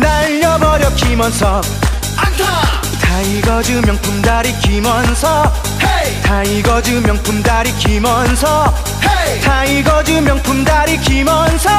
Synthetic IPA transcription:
naʎːʌbʌɾjʌk͈imʌnsʰʌ | tʰaiɡʌd͡ʑɯmjʌŋpʰumdaɾikimʌnsʰʌ | t̪ʰaiɡʌd͡ʑɯmjʌŋpʰumdaɾik͈imʌnsʰʌ | taiɡʌd͡ʑɯmjʌŋpʰumdaɾikimʌnsʰʌ

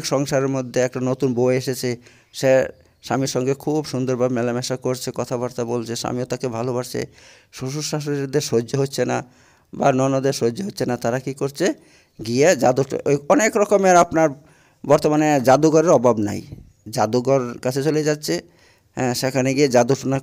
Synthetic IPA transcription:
kʃɔŋʃaɾeɾmod̪ʱːeɛk̚ʈanot̪unboeeʃet͡ɕʰe | ʃe | ʃamiɾʃɔŋɡekʰubʃund̪oɾbabmɛlamɛʃakoɾt͡ɕʰekɔt̪ʰabaɾt̪abolt͡ɕʰeʃa̰miot̪akebʱalobaɾt͡ɕʰḛ | ʃuʃ̬uʃaʃ̬oneɾd̪eʃɦod͡ʑoɦotːɕʰena̰ | banɔnod̪eʃod͡ʑːoɦotːɕʰenat̪aɾakikoɾt͡ɕʰe | ɡied͡ʑad̪ṵɔnekɾɔkomeaɾapnaɾ | bɔɾt̪omaned͡ʑad̪uɡɔɾeɾɔbʱabna̰j | d͡ʑad̪uɡɔɾkat͡ɕʰet͡ɕoled͡ʑatːɕʰe | ɦɛ̃ʃekʰaneɡied͡ʑad̪uʃona

